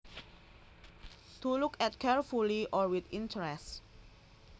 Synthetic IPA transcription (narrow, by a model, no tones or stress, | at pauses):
tulukɛt̚kʰɛɹfuliʔɔɹwit̪ĩntʰəɹɛst